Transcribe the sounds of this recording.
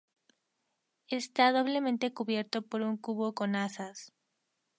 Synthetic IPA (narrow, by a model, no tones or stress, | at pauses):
est̪aðo̞β̞le̞mẽnt̪e̞kuβje̞ɾt̪o̞po̞ɾuŋkuβo̞ko̞nasas